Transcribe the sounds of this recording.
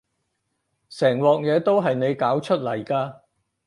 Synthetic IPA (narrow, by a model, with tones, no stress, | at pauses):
sɛː˨˩ŋwɔː˨k̚jɛː˨˧t̪o˥wɦɐ˨jne˨˧jkaː˨˥wt͡ʃʰɵ˥t̚lɐ˨˩jkaː˧